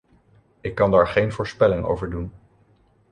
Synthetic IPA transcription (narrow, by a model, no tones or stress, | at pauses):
ɪkːɑndaːɹχejnvʊːɹspɛlɪŋo̰wvəɹdun